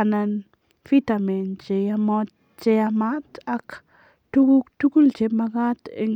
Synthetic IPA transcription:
anan | fit̪ament͡ʃejamot | t͡ʃejamat̪ak | tukukt̪ukult͡ʃemakat̪ɪŋ

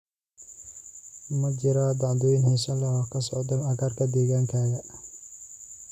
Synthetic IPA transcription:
mɐd͡ʒɪɾad̪ɑʕd̪ɔjnɦɛjsɐlɛɔkʰɐsɔʕd̪ʊlɐɣaːrkʰɐd̪ɛːɣaːŋkʰaːɣɐ

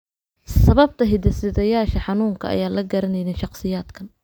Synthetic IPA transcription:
sɐβɐb̚t̪ʰɐɦɪd̪ɐsɪðɐjaːʃɐħɑnuːŋkʰɐʔɐ̰jaːlɐɡɐɾɐnɛjnɛʃɑqsɪjaːd̪kʰɐn

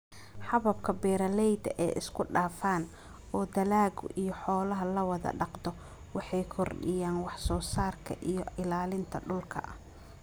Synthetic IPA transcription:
ħɑβɐb̚kʰɐbɛːɾɐlɛjd̪ɐ̰ʔɛ̰ːʔɪ̰skʰʊɖaːfaːn | ɔːd̪ɐlaːɣʊʔijɞħɔːlɐɦɐlɐwɑðɐ̰ɖɑqd̪ɔ | wɑħɑjkʰɔrɖɪ̰jaːnwɑħsɔːsaːrkʰɐ̰ʔijɞɪlaːlɪnt̪ʰɐɖʊlkʰɐ̰ʔɐ

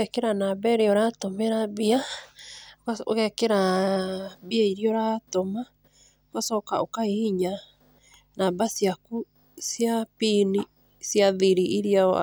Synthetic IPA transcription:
ɛkeɾanabɛɾeɔɾatomeɾabia | kaoɣɛkeɾa | biaiɾiɔɾatoma | okasɔkaokaihiɲa | nabasiaku | sjapini | sjaðiɾiiɾia̰

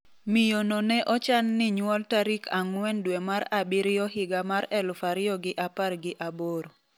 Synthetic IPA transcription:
mijononɛʔɔt͡ʃanːɪɲwɔltaɾikʰaŋwɛndwemaɾabɪɾɪjɔɦɪɡamaɾɛlʊfaɾɪjɔɡɪʔaparɡɪʔaboɾo

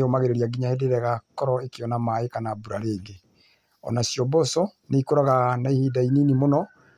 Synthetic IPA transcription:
eomaɣeɾeɾiaɡiɲahedeɾɛɣakɔɾɔekeɔnamaekanabuɾaɾeːɡe | ɔ̰nasjɔbɔsɔ | neikoɾaɣanaihidaininimonɔ

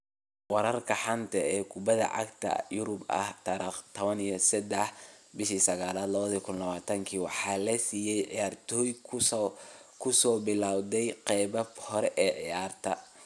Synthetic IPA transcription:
wɑɾɐrkʰɐħɑnt̪ʰɐɛːkʰʊbɐðɐ̰ʕɑ̰ɡt̪ʰɐ̰jʊɾʊbɐ̰ht̪ʰɐɾit̪ʰɔβɐnijɐsɐd̪ɛħbɪʃiːsɐɣaːlaːd̪lɐβɐðɐkʰʊnlɐβaːt̪ʰɐŋkʰiːwɑħɑːlɐsiːjɛjʕɪ̰jaːrt̪ʰɔːjʰ | kʰʊsɔːbɪlaːwd̪ɛjqɛjbɐfhɔɾɛʔɛːʕɪjaːrt̪ʰɐ

